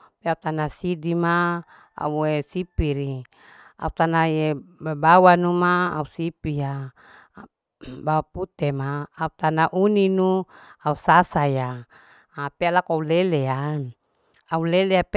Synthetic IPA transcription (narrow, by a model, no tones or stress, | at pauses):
peaut̪anasidima | a̰uesipiɾi | a̰ut̪anaebebawanuma̰ːusipija | bawaput̪emaːut̪anaʔuninuausasajaː | pealakoaulelea | auleleap